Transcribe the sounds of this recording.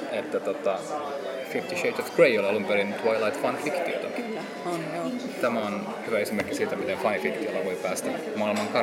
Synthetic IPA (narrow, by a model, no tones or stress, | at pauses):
et̪ːæt̪ot̪ɑ | fift̪iʃeit̪ofkreiolɑlumpeɾint̪ʋɑilɑit̪fɑnfikt̪io̰t̪ɑlːæ | on | t̪æmæon | hyʋæesimerkːisiːt̪æmit̪enfɑinfikt̪iolːɑʋoipæːst̪æ | mɑilmɑŋkɑ